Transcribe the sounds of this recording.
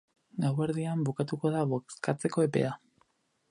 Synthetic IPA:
ɡawβe̞ɾðiambukat̪uko̞ðaβokskat͡se̞ko̞e̞pe̞̰a

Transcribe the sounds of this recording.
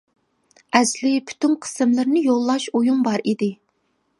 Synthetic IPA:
ɛzlɪpʰy̥t̪ʰynqʰə̥sɨmlˠɨɾnɪjolˠːɑʃojumbɑɾid̪ɪ

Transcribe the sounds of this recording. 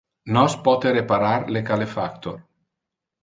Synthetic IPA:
nɔspɔt̪eɾepaɾaɾlekalefakt̪or

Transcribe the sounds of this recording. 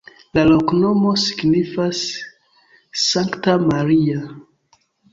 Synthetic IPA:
laloknomosiɡnifas | aŋktamaɾia

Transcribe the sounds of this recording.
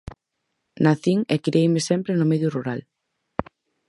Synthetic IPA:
naθiŋekɾiejmesɛmpɾenʊmeðjuruɾal

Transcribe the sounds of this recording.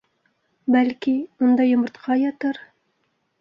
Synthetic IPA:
bælkiund̪ɑjŏmɤ̆ɾt̪qʰɑjɑt̪ɤɾ

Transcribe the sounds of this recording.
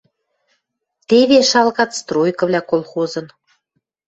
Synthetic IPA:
t̪eβeʃɑlˠɣɑt̪st̪rojkɤ̆vlʲækolˠxozɤ̆n

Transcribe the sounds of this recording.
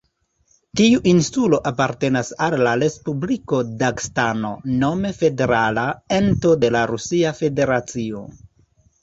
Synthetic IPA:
tiuʔinsulo̞ʔapaɾte̞nasalːaɾe̞spubliko̞dakstano̞̰no̞me̞fe̞de̞ɾalae̞nto̞de̞laɾusiafe̞de̞ɾat͡sio̰

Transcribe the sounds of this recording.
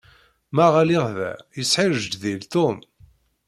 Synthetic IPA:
mæʁæliʁvæ̰jəsħɪɾəʒd̪ðilt̪ʊm

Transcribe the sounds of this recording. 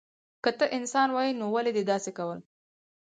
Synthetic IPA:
kət̪əʔɪnsɑnwɑjinowaled̪ed̪ɑsekawəl

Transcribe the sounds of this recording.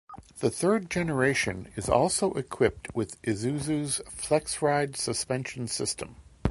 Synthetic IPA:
ðɨθɜ˞d̚d͡ʒɛnə˞eɪʃɨ̰̃nɪzɔ̰lˠsoʊʔɨkʰw̥ɪp̚t̚ʰwɪðʔɨzʉzʉz̥flɛksɹaɪdsɨspɛ̃nʃn̩sɪstʰə̃m

